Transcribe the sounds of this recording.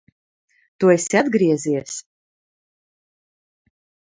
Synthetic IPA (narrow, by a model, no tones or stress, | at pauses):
t̪uesʲiad̪ɡɾiɛziɛs